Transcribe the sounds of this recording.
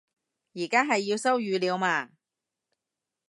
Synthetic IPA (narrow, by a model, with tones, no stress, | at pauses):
jiː˨˩kaː˥ɦɐ˨jːiː˧wsɐ˥wjyː˨˧liː˨˧wmaː˧